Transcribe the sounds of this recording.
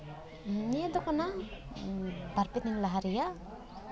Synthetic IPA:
ɲiad̪ɔkana | baɾpit̪niŋlaɦaɾija

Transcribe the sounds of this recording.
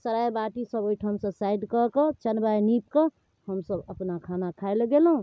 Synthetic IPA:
səɾajbaʈisəbojʈʰəmsəsajɖkəket͡ʃənbanip̚ke | həmsəbəpnakʰanakʰaelɡelɦũ

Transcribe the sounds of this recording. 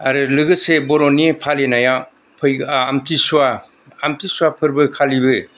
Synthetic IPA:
aɾɯlɯɡɯsebɔɾɔnipʰalenaja | pʰɯjːmtisuaː | mtisuwapʰɯɾbɯkʰalibɯ

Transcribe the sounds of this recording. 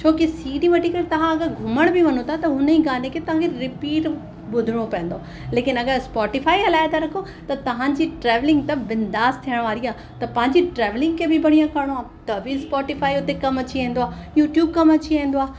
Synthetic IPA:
t͡ɕʰoːkisiːɖiʋɐʈikɐɾet̪ɐʋ̤ãɐɡəɾɡʱʊməɽ̃biʋɐnot̪ʰat̪ɐɦʊnəĩɡaːnekʰet̪ɐʋ̤ãkʰeɾɪpiːʈ | bʊd̪ʱɪɽ̃opɛ̃ːə̃n̆d̪oː | leːkɪnɐɡəɾspɔːʈifaːiɦɐlaːɪt̪aɾɐkʰo | t̪ɐt̪ɐʋ̤ãːd͡ʑiʈɾɛːʋlɪ̃ŋɡt̪ɐʋɪnd̪aːst̪ʰijəɽ̃ʋaːɾiaː | t̪ɐpɐ̃ɦɪ̃ɲd͡ʑiʈɾɛːʋlɪ̃ŋɡkʰebɪbɐɽ̤̃ijãkɐɽ̃oaː | t̪ɐbʱispɔːʈifaːiʊt̪ekɐmɐt͡ɕiĩːnd̪oaːjuːʈjuːb̚kɐmɐt͡ɕiãːn̆d̪oaː

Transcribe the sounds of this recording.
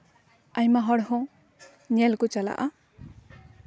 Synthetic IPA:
ajmaɦɔɽhɔ̃ | ɲɛlkɔt͡ʃala̰ʔa

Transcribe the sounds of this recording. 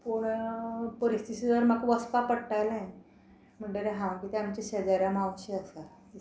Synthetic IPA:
poɽpəɾist̪ʰitid͡zəɾmakʋəspapəɽʈajlãj | m̤əɳɖeɾeɦãwkit̪eamt͡ɕeɕed͡zaɾamawɕiəsa

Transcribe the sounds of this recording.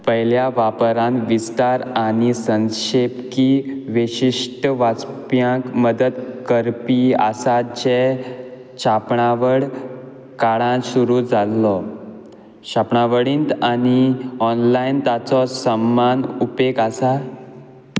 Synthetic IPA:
pəɦiljaʋapɾãnʋist̪aɾaɽ̃isə̃ŋɕepkiʋiɕiʂʈəʋat͡s | pjãkməd̪əd̪kəɾpia̰sat͡ɕe | ɕapɳaʋəɽ | kaɽãɕuɾud͡zʱalːɔ | ɕapɳaʋəɽiːnt̪aniɔnlaint̪at͡sɔsəmːanupekasa

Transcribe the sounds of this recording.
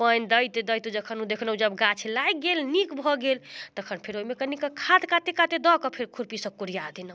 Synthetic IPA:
pəjnd̪əjt̪ed̪əjt̪ud͡ʒəkʰənud̪ekʰnud͡ʒəbɡat͡ʃʰlajɡelnikbʱɔɡelt̪əkʰənpʰeɾoimekənikəkʰad̪kat̪ekat̪ed̪ɔkɔpʰeɾkʰuɾpisə̃kuɾijad̪inə

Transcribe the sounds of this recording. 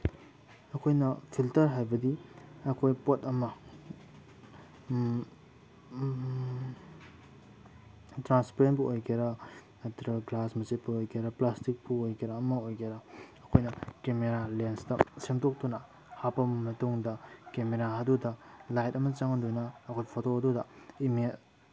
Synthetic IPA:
ɐkʰojnɐpʰiltɐɾɦajbɐdiɐkʰojpotɐmɐ | tɾanspeɾentpuojkɐɾɐ | ɐtɾɐɡlasmɐset̚puojkʰeɾɐplastik̚puojkiɾɐːmɐojkeɾɐɐkʰojnɐkemeɾalenstɐsemtok̚tunɐ | hapɐmmɐtuŋdɐkemeɾaɦɐdudɐlajtɐmɐt͡ʃɐŋɐndunɐːkʰojpʰotoɐdudɐime

